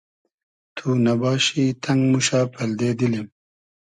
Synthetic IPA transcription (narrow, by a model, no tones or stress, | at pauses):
t̪ʰunɐbɑːɕit̪ʰɐŋɡmuɕaːpʰɐld̪eːd̪ilem